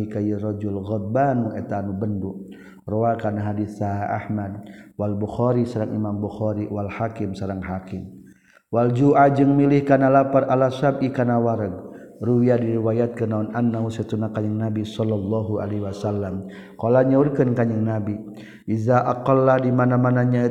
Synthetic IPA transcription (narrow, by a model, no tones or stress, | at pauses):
ikajirɔd͡ʒulɣɔd̪̚banuʔɛt̪anubənduʔ̚ | roakanaɦadiθaaʔa̰hmad̚walbuxɔɾisaɾaŋʔimambuxɔɾiwalhakimsaɾaŋɦakim | wald͡ʒuʔad͡ʒəŋmilɪhkanalaparalasabikanawaɾəɡ̚ | ruwiadiɾiwajat̪̚kənaunʔanːaɦusɛt̪unakaɲəŋnabisɔlːɔlːɔɦua̰leɦwasalːam | kɔlaɲaurkənkaɲəŋnabi | ʔizaʔaqɔlːahdimanamanaɲai